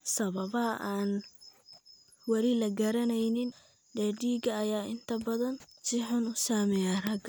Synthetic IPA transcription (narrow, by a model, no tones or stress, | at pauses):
sɐβɐβɐɦɐʔaːn | wɐɾɪlɐɡɐɾɐnɛjnɪn | ɖɛːɖiːɡɐːjaːɪnt̪ʰɐbɐðɐnsɪħʊnʊsaːmɛjaːrɐɡ